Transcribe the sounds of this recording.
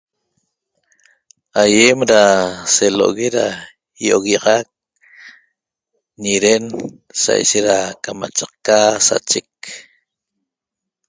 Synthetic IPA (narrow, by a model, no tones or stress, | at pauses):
ajemɾaseloʔoɣeɾa | jooɣɑʁɑk̚ | niɾen | sa̰jʃeɾakama̰t͡ʃɑqkasa̰t͡ʃek